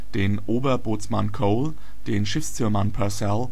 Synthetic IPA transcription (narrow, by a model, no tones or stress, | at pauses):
d̥eːnʔoːbɐboːt͡smankʰoʊl | d̥eːnʃɪfst͡syːɐmanpʰɛsɛl